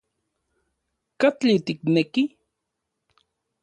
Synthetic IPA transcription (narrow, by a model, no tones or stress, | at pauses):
kat͡ɬit̪ikneki